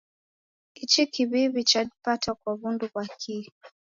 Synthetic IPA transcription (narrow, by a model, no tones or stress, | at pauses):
it͡ʃikiβiβit͡ʃadipatakwaβunduβakʰi